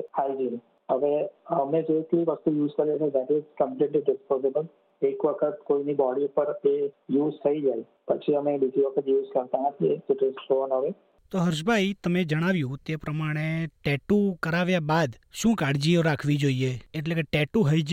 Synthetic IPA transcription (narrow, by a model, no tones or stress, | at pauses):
haːid͡ʒin | əʋeɐmẽd͡ʒokiʋəst̪ujuːzkɐɾat̪ʰed̪æʈɪzkə̃mpliːʈliɖɪspɔːzɪbəl | eːkʋəkʰət̪koːinibɔːɖiupəɾejuːzsʰɐid͡ʒaːi | pət͡ʃʰiɦəmẽɖikiʋəkʰət̪juːzkɐɾt̪aɦɛ̃k̪et̪ɪʈɪzʈoːnaʋe | t̪oɦəɾʃ̬bʱait̪əmed͡ʒəɽ̃aʋjũt̪epɾəmaɽ̃eʈɛʈukəɾaʋjabaːd̪ʃũːkaɽd͡ʒioɾakʰʋid͡ʒoːieeʈlekeʈeʈuɦəid͡ʒ